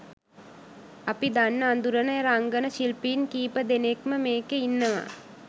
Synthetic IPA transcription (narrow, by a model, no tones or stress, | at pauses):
apid̪anːəand̪uɾənəjeɾaŋɡənəʃilpiːnkiːpəd̪enekməmeːkeinːəʋa̰